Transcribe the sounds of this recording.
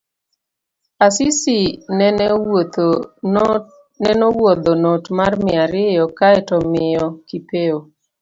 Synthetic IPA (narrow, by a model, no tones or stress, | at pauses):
asɪsɪnɛ | nɛnɔwɔd̪ɔnotmarmɪaɾɪjɔkaɛtɔmɪjɔkipeo